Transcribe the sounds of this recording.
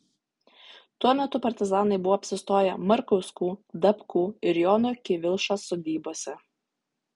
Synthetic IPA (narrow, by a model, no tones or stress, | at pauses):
t̪uɔmʲɛt̪ʊpɐɾʲt̪ʲɪzɑːnɐɪbʊʋoːɐpʲsʲɪst̪oːjɛmɐɾkɔʊskuːd̪ɐpkuːɪɾjoːnokʲɪʋʲɪlˠʃɑsoːd̪ʲiːboɔsʲɛ